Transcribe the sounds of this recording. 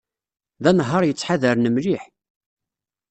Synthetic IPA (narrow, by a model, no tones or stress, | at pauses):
ðænɦəɾˤjət͡sːħaðəɾnəmliħ